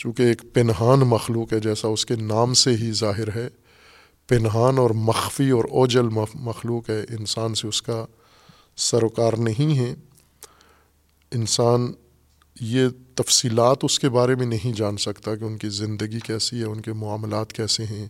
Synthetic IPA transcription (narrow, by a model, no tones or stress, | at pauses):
t͡ʃũːkeːkpɪnɦaːnmɐxluːkɦɛd͡ʒɛːsaʊskenaːmseɦizaːɦɪɾɦɛː | pɪnɦaːnɔːɾmɐxfiɔːɾɔːd͡ʒəlmmɐxluːkɦɛːʔɪnsaːnseʊska | sɐɾoːkaːɾnɐɦĩɦɛ̃ː | ɪnsaːn | jet̪ɐfsiːlaːt̪ʊskebaːɾemẽnɐɦĩd͡ʒaːnsɐkt̪akeʊnkizɪ̃nd̪əɡikɛːsiɦɛ̃ʊnkemʊaːmlaːt̪kɛːseɦɛ̃ː